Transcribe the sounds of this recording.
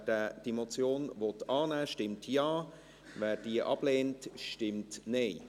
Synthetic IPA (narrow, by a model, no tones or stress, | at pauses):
dɛd̥emot͡sjoːnvɔtɑːnæːʃtɪmtʰjɑː | vɛːɾd̥iəʔɑb̥leːntʃtɪmtneɪ